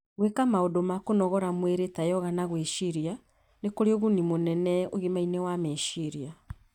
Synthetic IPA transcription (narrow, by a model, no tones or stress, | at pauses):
ɣwekamaodomakonɔɣɔɾamweɾetajɔɣanaɣweʃiɾia | nekoɾeɔɣunimonɛnɛoɣemainɛwameʃiɾia